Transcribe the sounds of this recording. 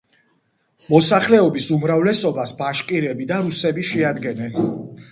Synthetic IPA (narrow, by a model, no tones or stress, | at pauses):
mɔsaχlɛɔbisumɾavlɛsɔbasbaʃqʼiɾɛbid̪aɾusɛbiʃɛad̪ɡɛnɛn